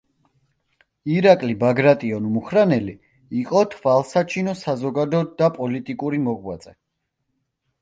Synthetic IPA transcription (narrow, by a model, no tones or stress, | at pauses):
iɾakʼlibaɡɾat̪ʼiɔnmuχɾanɛliː | qʼɔt̪ʰvalˠsat͡ʃʰinɔsazɔɡad̪ɔd̪apʼɔlit̪ʼikʼuɾimɔɡwa̰t̪sʼɛ